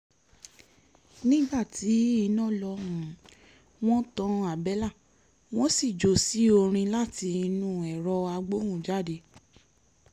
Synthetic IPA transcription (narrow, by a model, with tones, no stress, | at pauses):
nĩ˦ɡ͡ba˦˨tʰi˨˦i˧nɔ̃˦˨lɔ˧hũ˨ | w̃ɔ̃˦tɔ̃˧˦˧a˨bɛ˨˦la˦˨ | w̃ɔ̃˦si˦˨d͡ʒo˨si˨˦o˧ɾ̃ĩ˧la˦˨ti˧i˧nũ˦˨ɛ˨ɾɔ˧a˧ɡ͡bo˦hũ˦˨d͡ʒa˦de˧